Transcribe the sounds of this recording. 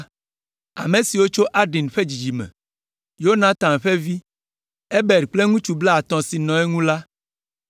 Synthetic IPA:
a̰˨mẽ˨si˨wo˦t͡ʃo˦ʔa˦ɖi˨nɸe˦d͡ʑi˨d͡ʒi˨mɛ̰̃˨ | jo˦nã˨t̪ã˨m˨ɸe˦vi˦ | e˦bɛ˨ɖk͡ple˦ŋũ˦t͡ʃu˨bla˦a˨t̪ɔ̃˨si˨nɔ̃˨ɛ˦ŋũ˦la˦

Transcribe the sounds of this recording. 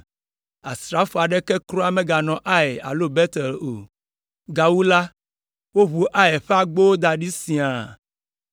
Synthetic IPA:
a̰˨sɾa˨˦fo˨a˨ɖɛ˦kɛ˦kɾɔ˦a˦mẽ˦ɡa˨nɔ̃˨ʔa˦e˨a̰˨lo˦be˦t̪ɛ˨lo̰˨ | ɡa˨wu˦la˦ | wo˦βu˨ʔa˦e˨ɸe˦a˨ɡ͡bo˦wo˦d̪a˨ɖi˦sĩ˨a˨

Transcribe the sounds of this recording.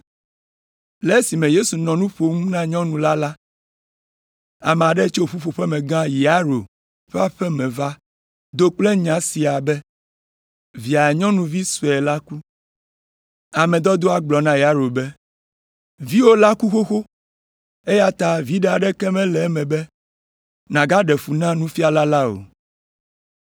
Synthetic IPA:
lɛ˨˦si˨mẽ˨je˦su˨nɔ̃˨nũ˦ɸo˨ŋũ˦nã˦ɲɔ̃˦nũ˨la˦la˦ | a˨me˨a˨ɖɛ˦t͡ʃo˦˨ɸu˦ɸo˨ɸɛ˦mɛ̃˨ɡã˦ji˨a˦ɾo˨ | ɸɛ˦a˦˨ɸɛ˦mɛ̃˨va˦ | d̪o˦k͡ple˦ɲã˨si˨a˨bɛ˦ | vi˨a˨ɲɔ̃˦nũ˨vi˦so˨ɛ˨la˦ku˦ | a˨mɛ̃˨d̪ɔ˦d̪o˦a˦ɡ͡blɔ˨nã˦ja˦ɾo˨bɛ˦ | vi˦wo˦la˦ku˦xo˦xo˦ | e˦ja˦t̪a˨vi˦ɖɛ˨a˨ɖɛ˦kɛ˦mɛ̃˦lɛ˨˦mɛ̃˨bɛ˦ | nã˨ɡa˦ɖɛ˨fu˨nã˦nũ˦fi˦a˨la˦la˦o̰˨

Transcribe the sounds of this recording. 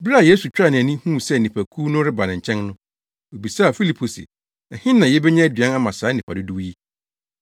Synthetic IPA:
bɾa˦˨je˦su˨t͡ɕᶣɾa˦˨nɪ̃˨æ˨nĩ˦hũ˦˨sɛ˦˨nĩ˨pʰæ˨kʰu˦nʊ̃˦ɾɪ˦ba˨nɪ̃˨ɲ̩˨t͡ɕʰɛ̃˦nnʊ̃˦ | o˨bi˨sa˦˨fi˦li˨pʰo˨sɪ̰˨ | ɛ˨hɪ̃˦nːã˨jɛ˦bɛ˦ɲɛ̃˦æ˦dɥã˦a˦mã˨saː˨˦nĩ˨pʰa˨dɪ˦du˦ji˦

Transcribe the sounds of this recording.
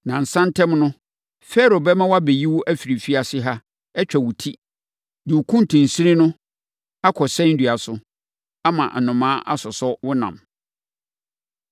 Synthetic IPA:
nã˨n̩˨sã˦ntʰɛ̃˦mnʊ̃˦ | fɛ˦ɾo˨bɛ˦mã˦wa˦be˨ji˦wʊ˦ʔæ˦fi˨ɾi˨fi˦a˨sɪ˦ɦa˦ | ɛ˦t͡ɕᶣɛ˨wʊ˨tʰi˦ | dɪ˨wkʰũ˦n˨tʰũ˨n̩˨si˦ɾi˦nʊ̃˦ | a˦kʰɔ˨sɛ̃˦n̩˦dɥa˨sʊ˦ | a˦mã̰˨ʔnʊ̃˨mãː˦ʔa̰˦sɔ˨sɔ˦wʊ˦nã̰˨m

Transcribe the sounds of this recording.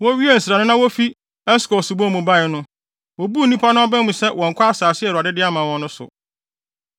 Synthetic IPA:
wɔ˦ɥi˦e˦n̩˨sɾa˨nʊ̃˦nã˦wɔ˦fi˦ | ɛ˦skɔ˨sʊ˨bɔ˦˨mũ˨ba˦˨ɪ˨nʊ̃˦ | wɔ˨bu˦˨nĩ˦pʰa˦nʊ̃˦ɔ˦bɛ̃˦mũ˨sɛ˦wɔ̃˨ŋ̩˨kʷʰa˦a˦saː˨sɪ˦ɛ˨ɾa˨dɪ˦dɪ˦a˦mã˨wɔ̃˨nʊ̃˦sʊ̰˨

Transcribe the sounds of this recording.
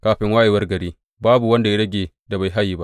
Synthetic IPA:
kaː˦ɸɪ˦ŋwaː˦ʔjeː˨wɐ˦rɡɐ˨ɾiː˦ | baː˦bu˨wɐ˦nda˨ja˦ɽɐ˦ɡʲeː˨ | da˨ba˨jɦa˦jːiː˦ba˦

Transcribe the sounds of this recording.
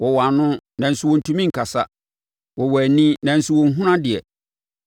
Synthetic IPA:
wɔ˨wa˨nʊ̃˦nã˨n̩˨sʊ˦˨wɔ̃˨n̩˨tʰũ˦mĩ˦ŋ̩˨kʰa˨sa̰˦ | wɔ˨wɔ˨æ˨nĩ˦nã˨n̩˨sʊ˦wɔ̃˨ŋ̩˦ɦũ˦ɾã˦dɪ˨ɛ̰˨

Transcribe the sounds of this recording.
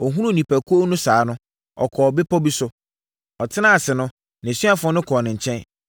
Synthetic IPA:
ɔ˨ɦũ˦ɾũ˦˨nĩ˨pʰæ˨kʰu˦o˦nũ˦saː˨˦nʊ̃˦ | ɔ̰˨kʰɔ˨bɪ˦pʰɔ˦bi˦sʊ˦ | ɔ˨tʰɪ˦nã˦a˨sɪ˨nʊ̃˦ | nã˨sɥa˦fʊ˦ɔ˦nʊ̃˦kʰɔː˨nɪ̃˨ɲ̩˨t͡ɕʰɛ̃˦n

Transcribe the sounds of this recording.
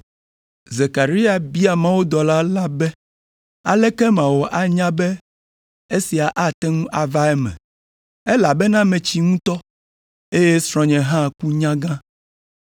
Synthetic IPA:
ze˨ka˨ɾi˦a˨bi˦a˨mã˦wo˦d̪ɔ˨la˦la˦bɛ˦ | a̰˨lɛ˦kɛ˦mã˨wo˨ʔa˨ɲã˦bɛ˦ | e˦si˨a˨ʔa˦t̪ɛ˦ŋũ˦ʔa˨va˦ɛ˦mɛ̰̃˨ | ɛ˦la˨bɛ˦nã˦mɛ̃˨t͡ɕi˦ŋũ˦t̪ɔ˦ | e˦je˦sɾɔ̃˨ɲɛ̃˨ɦã˦˨ku˦ɲã˦ɡã˦

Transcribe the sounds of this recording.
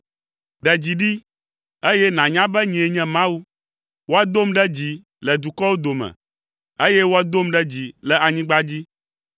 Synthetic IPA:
ɖɛ˨d͡ʑi˨ɖi˦ | e˦jɛ˦nã˨ɲã˦bɛ˦ɲĩ˨e˨ɲɛ̃˦mã˦wu˦ | wo˦a˦d̪o˦mɖɛ˦d͡ʑi˨ | lɛ˨d̪u˨kɔ˦wo˦d̪o˨mɛ̰̃˨ | e˦je˦wo˦a˦d̪o˦mɖɛ˦d͡ʑi˨lɛ˨a˨ɲĩ˦ɡ͡ba˦d͡ʑi˦

